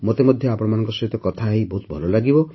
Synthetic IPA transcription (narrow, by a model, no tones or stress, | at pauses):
mot̪emɔd̪ʱjɔapɔɽɔmanɔŋkɔsɔɦit̪ɔkɔt̪ʰaɦibɔɦut̪̚bʱɔlɔlaɡibɔ